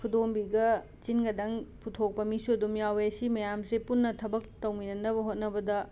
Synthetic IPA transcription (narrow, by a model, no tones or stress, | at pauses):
kʰudombiɡɐ | t͡ʃinɡɐdɐŋpʰutʰok̚pɐmisuɐdumjawejɐsimɐjamsepunːɐtʰɐbɐk̚tɐwminɐndɐbɐɦot̚nɐbɐdɐ